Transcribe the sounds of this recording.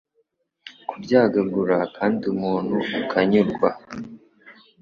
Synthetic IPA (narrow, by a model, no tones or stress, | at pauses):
kubɟaːɡaɡuɾakʰaːndiumuːnhuːkʰaɲuɾɡwa